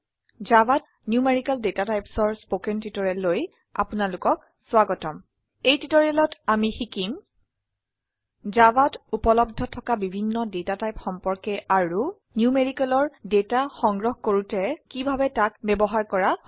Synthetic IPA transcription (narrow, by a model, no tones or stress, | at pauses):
zabat | njumeɹikaldetatajpsɔɹspokɛntitɔɹɛlːoj | a̰punalʊkɔk̚ | swaɡɔtɔm | ejtitɔɹɛlɔtamixikim | zabatupɔlɔbdʱɔtʰɔkabibʱinːɔdetatajpxɔmpɔɹkɛʔaɹu | njumeɹikɛlɔɹdetaxɔŋɡɹɔxkoɹutɛkibʱabɛtakbɛbɔɦaɹkɔɹa